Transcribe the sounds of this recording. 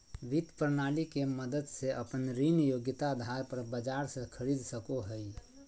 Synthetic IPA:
ʋit̪pəɾnalikeməd̪əd̪seʔəpənɾinjoɡɪt̪ad̪ʱaɾpəɾbəd͡ʒaɾsẽkʰəɾid̪səkoɦəi

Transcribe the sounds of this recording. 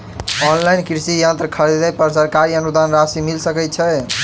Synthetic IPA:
ɔnlajnkɾisijãnt̪ɾəkʰəɾid̪əpəɾsəɾkaɾiənud̪anɾasimilsəkɛt̪̚t͡ʃʰɛ

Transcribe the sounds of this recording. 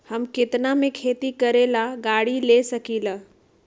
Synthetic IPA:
həmkɪt̪namẽkʰeːt̪ikəɾelaɡaːɽilesəkiːlə

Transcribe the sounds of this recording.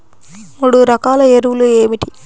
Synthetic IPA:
muːɽuɾɐkaːlɐeɾuʋulueːmiʈi

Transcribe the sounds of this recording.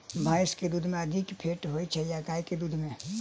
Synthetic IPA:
bʱaːɪsked̪ud̪ʱmẽəd̪ʱikpʰeːʈɦoit͡ʃʰɛjakaːjked̪ud̪ʱmẽ

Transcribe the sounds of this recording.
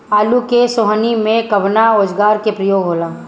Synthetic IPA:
aːlukesoɦnimẽkəbnaɾoːd͡ʒɡaːɾkepɾɐjoːɡʱɦoːlaː

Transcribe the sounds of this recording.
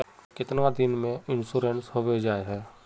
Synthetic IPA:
kɪt̪nʋad̪ɪnmẽɪnsuːɾensɦoːʋed͡ʒaːeɦɛː

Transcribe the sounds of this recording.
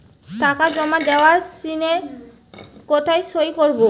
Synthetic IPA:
takad͡ʑɔmad̪eoaɾspɾineɾ | kɔt̪ʰajʃojkoɾbo

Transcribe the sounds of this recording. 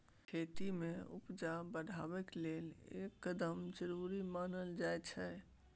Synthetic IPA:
kʰeːt̪imẽʊ̰pd͡ʒabəɽʱaːʋekleːlḛːkːəd̪əmd͡ʒəɾuɾimaːnəld͡ʒaːɛt͡ʃʰɛ

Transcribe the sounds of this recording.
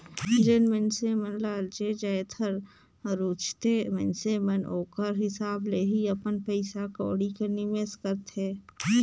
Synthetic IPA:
d͡ʒənmẽnsemənlaːld͡ʒed͡ʒajt̪ʰəɾ | ɾuːt͡ʃt̪emɛnsemənʔoːkəɾɦɪsaːbleɦiɐpənpəɪsako̰ːɽikəɾnimeːskəɾt̪eː

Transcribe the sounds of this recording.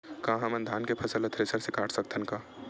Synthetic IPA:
kãːɦəmənd̪ʱaːnkepʰəsələt̪ʰɾesəɾsekaʈʰsəkt̪ʰənka

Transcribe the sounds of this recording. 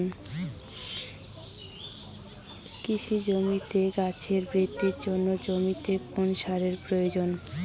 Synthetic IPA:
n | kiʃid͡ʑomit̪eɡat͡ɕʰeɾbɾid̪iɾd͡ʑonːod͡ʑomit̪eponʃaɾeɾpɾojod͡ʑon

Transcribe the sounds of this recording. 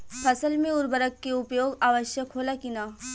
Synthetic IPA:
pʰɐsəlmẽʊɾbəɾəkːeʊpjoːɡaːʋəʃjəkɦoːlakinaː

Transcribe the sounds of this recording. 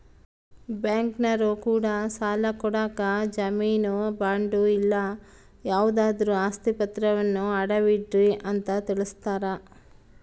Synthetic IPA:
bjaːŋknɐɾukuːɽɐsaːlɐkɔɽaːkɐd͡ʒɐmiːnubaːɳɖuilːɐ | jaːʋud̪aːd̪ɐɾuaːst̪ipɐt̪ɾɐʋɐnːuɐɽɐʋiɖɾiʔɐnt̪ɐt̪iɭist̪aːɾɐ

